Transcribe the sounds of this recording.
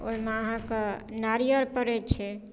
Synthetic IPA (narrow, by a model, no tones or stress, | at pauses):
o̰ɦmeəɦãkenaɾijəɾpəɾɛt͡ʃʰɛ